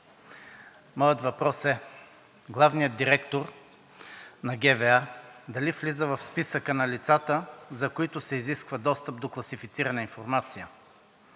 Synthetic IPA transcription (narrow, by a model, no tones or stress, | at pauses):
mɔjət̪vɐpɾɔsɛ | ɡlˠavnijət̪̚d̪iɾɛkt̪oɾ | nɐɡɛvɛad̪ɐliflizəvɐfspisəkənɐlit̪sat̪əzɐkoit̪ʊsɛiziskvəd̪ɔst̪əp̚d̪oklˠɐsifit̪siɾɐnəinfoɾmat̪sijə